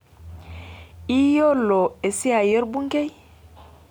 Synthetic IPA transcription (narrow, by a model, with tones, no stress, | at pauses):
i˦jo˦lːo˨e˨si˦a˨je˦ɾbu˦ŋ˦ke˦j